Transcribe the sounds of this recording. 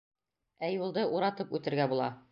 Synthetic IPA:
æjulˠd̪ɤʔuɾɑt̪ɤpʉt̪ɘ̆ɾɡæbulˠɑ̰

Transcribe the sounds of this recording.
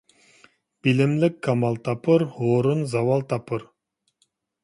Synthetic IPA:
bilɪmlɪkːamɑlˠt̪ɑpɯɾhoːɾunzɑwɑlˠt̪ɑpɯɾ

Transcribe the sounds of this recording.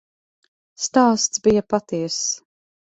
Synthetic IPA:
st̪aːst̪sbijɐpat̪iɛs

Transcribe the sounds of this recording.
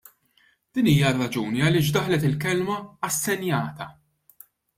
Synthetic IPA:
d̪̥iːniːjɐrːɐd͡ʒuːniɐlɪːʃ̬d̪ɐħlɛt̪ɪlkɛlmɐɐsːɛnjɐːt̪ɐ

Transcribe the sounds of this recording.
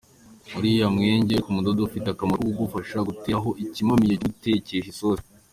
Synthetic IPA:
muɾijamŋe̞ːɲɟe̞kumudodoufiteakamakuɡufaʃaɡuteɦo̞ʔicimamijeute̞ce̞ʃesoːse

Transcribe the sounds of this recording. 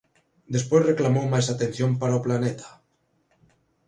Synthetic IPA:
d̪espojzreklamowmajsat̪ẽn̟θjompaɾaoplanet̪ḁ

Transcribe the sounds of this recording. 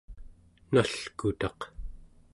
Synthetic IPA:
naɬkut̪ɑq

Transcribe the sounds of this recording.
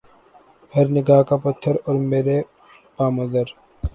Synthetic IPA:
hɐɾnɪɡaːɦkapɐt̪ʰːəɾɔːɾmeːɾe | paːmɐd̪əɾ

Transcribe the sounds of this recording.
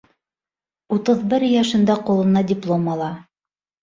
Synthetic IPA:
ut̪ɤðbɘɾjɑʃɤ̆nd̪ɑqulˠɤ̆nɑdʲɪplˠomɑlˠɑ

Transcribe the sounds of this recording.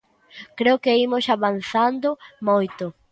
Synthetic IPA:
kɾeʊkɪimʊsaβanθand̪ʊmojt̪ʊ

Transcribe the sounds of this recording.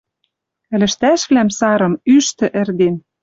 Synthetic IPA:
ɘ̆lɘ̆ʃt̪æʃβlæmsɑɾɤ̆myʃt̪ɘ̆ʔɘ̆rd̪en

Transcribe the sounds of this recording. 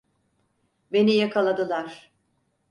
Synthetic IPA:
be̞nijakʰalˠad̪ɯlˠaɾ̥

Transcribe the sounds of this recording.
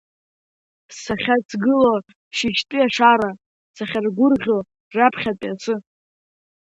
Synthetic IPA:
saχʲat͡sʰɡɨlo | ʃiʃtʼɨjaʂaɾa | saχʲarɡʷʊrʁʲo | rapʰχʲatʼiat͡sʰɨ

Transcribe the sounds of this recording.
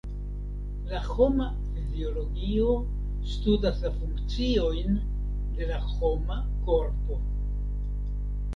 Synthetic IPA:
laho̞ma | fizio̞lo̞ɡio̞ | studaslafuŋkt͡sio̞jn | de̞laho̞ma | ko̞ɾpo̞

